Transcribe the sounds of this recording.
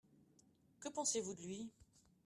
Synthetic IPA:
kəpɑ̃sevud̪əlɥi

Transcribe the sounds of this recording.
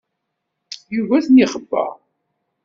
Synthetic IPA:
juvæθniχəbːə̰ʁ

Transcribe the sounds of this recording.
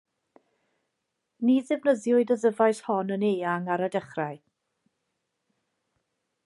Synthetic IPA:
niðɪvnəðjʊɨdəðəvajθhɔnəneːaŋaɾadəχraɨ

